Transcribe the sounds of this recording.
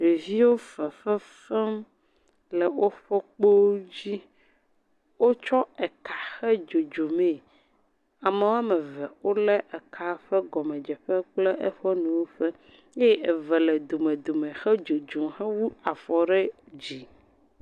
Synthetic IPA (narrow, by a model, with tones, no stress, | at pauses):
e˨vi˦wo˦fɛ˨fɛ˦ | fɛ˦m | lɛ˨wo˦ɸɔ˦k͡po˦o˦d͡ʑi˦ | wo˦t͡ʃɔ˦ɛ˨ka˨xɛ˦d͡ʒo˨d͡ʒo˨mẽ˦˨ | a˨me˨wo˦a˦mɛ˨vɛ˨wo˦lɛ˦ʔɛ˨kʰa˨ɸɛ˦ɡɔ˨mɛ̃˨d͡ʒɛ˨ɸɛ˦k͡plɛ˦ʔɛ˦ɸɔ˦nɛ̃˨wo˦ɸɛ˦ | je˦ɛ˨vɛ˨lɛ˨d̪o˨mɛ̃˨d̪o˨mɛ̃˨xɛ˦d͡ʒo˨d͡ʒo˨mɦɛ˦wu˦a˨fɔ˨ɖɛ˦ | d͡ʑi˨